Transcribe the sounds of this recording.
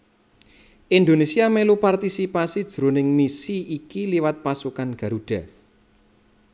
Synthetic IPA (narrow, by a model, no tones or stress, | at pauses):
ʔind̪onesiamelupart̪isipasid̥ʒ̥ɾo̤nɪŋmisiːkiliwat̪̚pasukanɡ̥a̤ɾuɖ̥a̤